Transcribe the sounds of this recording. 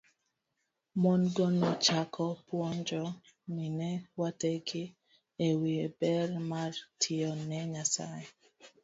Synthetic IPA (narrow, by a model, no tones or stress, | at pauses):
mɔnɡɔnɔt͡ʃakʰɔpwɔɲd͡ʒɔ | minɛwateki | ewiebɛrmartʰiɔnɛɲasa̰jɛ